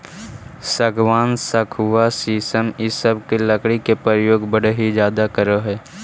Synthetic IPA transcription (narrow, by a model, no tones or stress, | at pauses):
səɡʋaːnsəkʰʊʋasiːsəmɪsəb̚keləkɽikepɾəɾəjoːɡbəɽɦid͡ʒjaːd̪akəɾəɦɛː